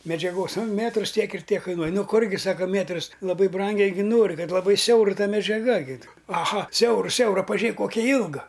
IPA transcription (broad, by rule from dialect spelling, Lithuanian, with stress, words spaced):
mʲɛd͡ʒʲɛˈɡoːs ˈmʲeːtrʊs ˈtʲiɛk ɪr ˈtʲiɛk ˈkɐɪnuɔj ˈnʊ ˈkʊrʲɡʲɪ ˈsɑːkoː ˈmʲeːtrʊs lˠɐˈbɐɪ ˈbrɐŋʲɡʲɛɪ ˈɡʲɪ ˈnoːrʲɪ ˈkɐt lˠɐˈbɐɪ ˈsʲɛʊr ˈtɐ mʲɛd͡ʒʲɛˈɡɐ ɡʲɪ ɐˈɣɐ ˈsʲɛʊrʊ ˈsʲɛʊrɐ pɐˈʒʲeːk ˈkoːkʲɛ ˈjiːlˠɡɐ